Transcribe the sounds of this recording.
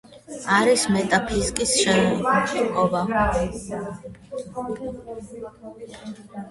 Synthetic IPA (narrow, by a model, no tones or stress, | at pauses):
aɾismɛt̪ʼapʰiskʼisʃɛnt͡ʃʰɛkʼɔba